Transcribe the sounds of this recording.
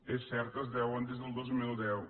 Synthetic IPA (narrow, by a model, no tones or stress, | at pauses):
esɛɾt̪əzðɛwənd̪ezðəlˠd̪ozmilˠd̪ɛw